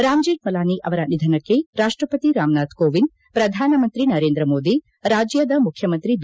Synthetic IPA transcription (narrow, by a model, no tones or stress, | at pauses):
ɾaːmd͡ʒeːʈ̚mɐlaːniʔɐʋɐɾɐnid̪ʱɐnɐkːeɾaːʂʈɾɐpɐt̪iɾaːmnaːt̪koːʋin | pɾɐd̪ʱaːnɐmɐnt̪ɾinɐɾeːnd̪ɾɐmoːd̪i | ɾaːd͡ʒjɐd̪ɐmukʰjɐmɐnt̪ɾid̪